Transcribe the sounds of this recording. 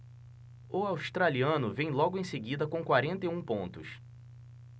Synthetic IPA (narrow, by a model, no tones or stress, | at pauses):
ʊawst̪ɾaliɐ̃nʊvẽj̃lɔɡʊẽj̃seɡid̪ɐkõkwaɾẽnt̪ɐjũpõnt̪ʊs